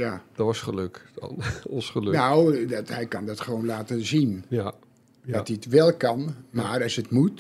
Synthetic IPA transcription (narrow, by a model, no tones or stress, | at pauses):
jad̥ɔtʋɑsχəløkdɑ̰nɔnsχəlnawdthɛjkɑndɑtχəʋownlaːtəzin | dɑtiətʋɛlˠkɑnmaːrɑsətmut